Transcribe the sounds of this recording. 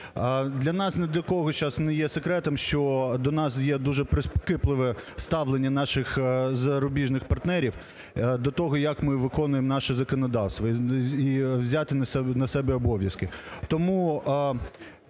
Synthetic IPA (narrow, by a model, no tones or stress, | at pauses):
d̪lʲɐnɑsnɛd̪ɔjɐkɔɦɔt͡ʃɑsnɛjɛsekɾɛt̪ɛmʃt͡ʃɔd̪ɔnɑsjɛd̪uʒɛpɾɪspɔ̥kɪplˠɪʋɛst̪ɑʋlˠenʲːɐnɑʃɪxzɐɾʊbʲiʒnɪxpɐrt̪nɛɾʲiw | d̪ɔt̪ɔɦɔjɐkmɪʋɪkɔnʊjemnɑʃɛzɐkɔnɔd̪ɑwst̪ʋɐiwzʲat̪ɪɛnɐsɛbɛɔbɔʋʲjɐskɪt̪ɔmu